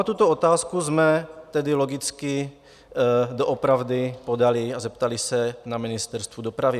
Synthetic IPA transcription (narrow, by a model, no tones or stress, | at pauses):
at̪ut̪oot̪aːskuzmɛt̪ɛdɪloɡɪt͡skɪ | doʔopɾavdɪpodalɪazɛpt̪alɪsɛnamɪnɪst̪ɛɾst̪vudopɾavɪ